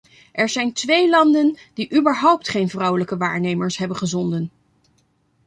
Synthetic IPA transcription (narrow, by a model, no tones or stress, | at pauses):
ʔɛɹzɛjntʋejlɑndənd̥iʔybəɹɦɔwp̚tχejnvrʌwələkəʋaːɹnejməɹsɦɛbəχəzɔndən